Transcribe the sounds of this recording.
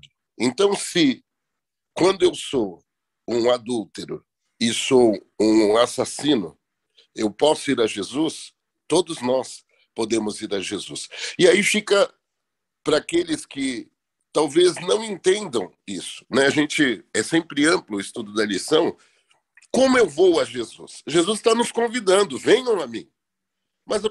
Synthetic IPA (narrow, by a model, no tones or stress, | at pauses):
ẽnt̪ɐ̃w̃sɪ | kwɐ̃nd̪ʊewso | ũad̪uwt̪eɾʊ̰ | ɪsoũasasĩnʊ | ewpɔsʊiɾɐʒezus | t̪od̪ʊznɔs | pod̪ẽmʊziɾɐʒezṵsɪaifikɐ | pɾɐːkelɪskɪ | t̪awveznɐ̃w̃ẽnt̪ẽnd̪ɐ̃w̃isʊ̥nɛaʒẽnt͡ʃɪɛsẽmpɾɪɐ̃mplʊɪst̪ud̪ʊd̪ɐlisɐ̃w̃ | kõmʊewvowɐʒezṵsʒezust̪anʊskõvid̪ɐ̃nd̪ʊvẽj̃ɐ̃w̃ɐmĩ | mɐz